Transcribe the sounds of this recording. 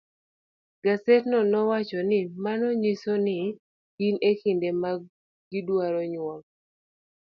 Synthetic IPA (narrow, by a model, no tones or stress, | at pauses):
ɡasetnɔnɔwat͡ʃɔnɪmanɔɲisonɪ | ɡinekindema | ɡɪdwaɾɔɲwɔk̚